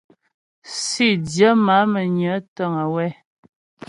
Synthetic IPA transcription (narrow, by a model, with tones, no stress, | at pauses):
si˦˨djə˨˦ma˨˦mə˨ɲə˨˦tə˦˨ŋə˨wɛ˦